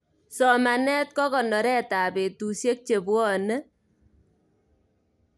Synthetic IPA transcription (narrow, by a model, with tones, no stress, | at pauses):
sɔ˨ma˨nɛ˦t̚kɔ˦kɔ˨nɔ˨ɾɛ˦ta˨pe˨tu˨sje˦k̚t͡ʃe˨bwɔ˦ne˦